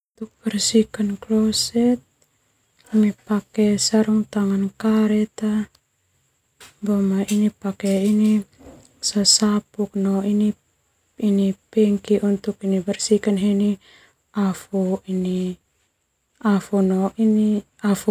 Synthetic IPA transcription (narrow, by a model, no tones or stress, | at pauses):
ut̪uk̚bɛrsikanklosɛt̪̚ | nipakɛsaɾuŋt̪aŋankaɾɛt̪a | bomainipakeini | sasapuk̚noini | inipɛŋkiʔunt̪ukinibɛrsikanɦeni | afuini | afunoini | afu